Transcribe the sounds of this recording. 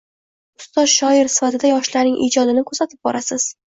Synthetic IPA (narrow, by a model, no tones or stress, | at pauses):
ʊst̪ɒzʃɒɪɾsɪ̥fat̪ʰɪd̪ajɒʃlaɾnɪŋʔḭd͡ʒɒd̪ɪnɪkʰɵsat̪ʰɪp̚bɒ̰ɾʔasɪz̥